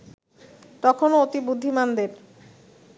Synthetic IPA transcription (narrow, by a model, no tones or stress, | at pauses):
t̪ɔkʰonoot̪ibud̪ʱːimand̪eɾ